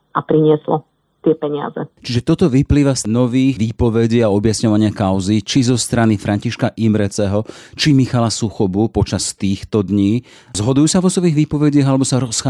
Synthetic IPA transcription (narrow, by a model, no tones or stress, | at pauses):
apɾiɲɪɛslɔ̰ | t̪ɪɛpɛɲɪa̰zɛ̰t͡ʃiʒɛt̪ɔt̪ɔʋipliːʋasnɔʋiːxʋiːpɔʋɛɟiaɔbjasɲɔʋaɲɪakaʊzit͡ʃizɔst̪ɾanifɾʔaɲciʃkaʔimɾɛt͡sɛɦɔt͡ʃimixalasuxɔbupɔt͡ʃast̪iːxt̪ɔd̪ɲiː | zɦɔd̪ujuːsaʋɔsɔʋiːɣʋiːpɔʋɛɟɪaɣalɛbɔsaɾɔsxa